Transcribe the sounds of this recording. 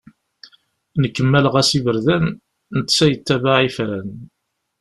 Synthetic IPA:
nəkːəmːælʁæsivəɾðæn | nət̪ːsæjət̪ːævaʕifɾæn

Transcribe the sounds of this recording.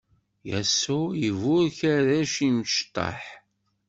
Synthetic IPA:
jæsːujəvʊɾçæðæʃiməʃt̪ˤːɑ̰ħ

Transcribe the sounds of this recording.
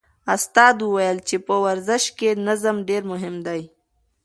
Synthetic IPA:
ast̪ɑːd̪uwajəlt͡ʃepəwaɾzɪʃkenazəmɖeɾmʊɦɪmd̪aj

